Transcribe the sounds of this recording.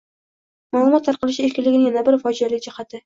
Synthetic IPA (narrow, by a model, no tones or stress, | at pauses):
malˠʊmɒt̪ʰːɑɾqɑlɪʃɪe̞ɾkʲɪnlɪɡʲɪnɪŋjanabɪɾfɒd͡ʒijalɪkʲd͡ʒɪhat̪ʰɪ